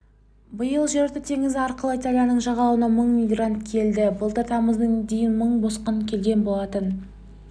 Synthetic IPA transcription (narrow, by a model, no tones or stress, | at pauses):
bəjəlˠʒeɾt̪ɪt̪ʰe̞ŋɪzɪɑɾqəlˠəit̪alʲijanəɴʒɑʁɑwənɑməɴmʲijɡrant̪kʲʰe̞ld̪ɪbəlˠt̪əɾt̪ʰɑməzd̪əŋd̪ejɪnməɴbo̞sqənkʲʰe̞lɡʲe̞nbo̞lˠɑt̪ən